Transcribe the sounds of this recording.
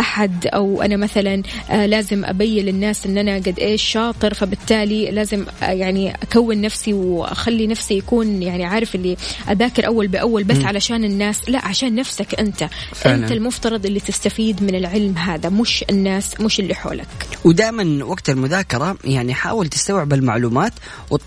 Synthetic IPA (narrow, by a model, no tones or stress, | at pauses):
ʔaħad̪ʔawʔa̰namaθalanlaːzɪmʔa̰bajːɪlɪnːaːsʔɪnːʔanaɡad̪ʔeːʃːɑːt̪ˤɨɾfabɪt̪ːaːlilaːzɪmjaʕniʔakawːɪnːafsiwʔa̰xalːinafsijakuːnjaʕniʕaːɾˤɪfʔɪlːiʔaðaːkɪɾʔawːalbɪʔawːalbasːʕalaʃaːnɪnːaːsla̰ʔʕaʃaːnːafsakʔɪnt̪afʔɪɪnlt̪almʊft̪ɑɾˤɑd̪ˤʔɪlːit̪ɪst̪afiːd̪mɪnɪlʕɪlmɦaːðamʊʃɪnːaːsmʊʃɪlːiħo̰ːlʔa̰kwd̪aːjmanwaɡt̪almʊðaːkɑɾˤɑjaʕniħa̰ːwɪlt̪ɪ̥st̪awʕɪbalma̰ʕluːmaːt̪ | w